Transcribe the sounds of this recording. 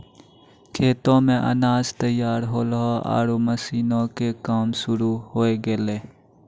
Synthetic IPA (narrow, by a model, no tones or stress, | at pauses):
kʰeːt̪õːmẽʔɐ̰naːzt̪əjaːɾɦoːlɦoa̰ːɾoməsiːnõkekaːmsʊɾuɦoːeɡeleː